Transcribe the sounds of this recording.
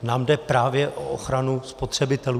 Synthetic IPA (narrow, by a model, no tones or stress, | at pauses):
naːmdɛpɾaːvjɛʔʔoʔoxɾanuspo̞t̪r̝̥ɛbɪt̪ɛluː